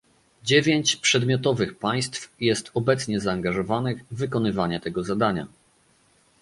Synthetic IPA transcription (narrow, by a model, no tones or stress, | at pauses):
d͡ʑevʲjeɲt͡ɕpʂɛd̪mʲjɔt̪ɔvɘxpaj̃st̪fjɛst̪ɔbɛt̪sɲɛzaːŋɡaʐɔvanɘɣvɘkɔnɘvaɲɛt̪ɛɡɔzad̪aɲa̰